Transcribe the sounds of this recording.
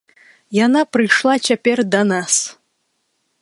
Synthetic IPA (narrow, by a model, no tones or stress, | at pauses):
janaprɨjʂlˠat͡ɕapʲerd̪ɐnas